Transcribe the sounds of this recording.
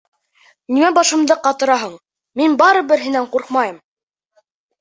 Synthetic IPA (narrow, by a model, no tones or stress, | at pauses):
nimæbɑʃɤ̆md̪ɤqɑt̪ɤ̆ɾɑɦɤɴ | minbɑɾɤbɘ̆ɾɦɘ̆næɴquɾqmɑjɤm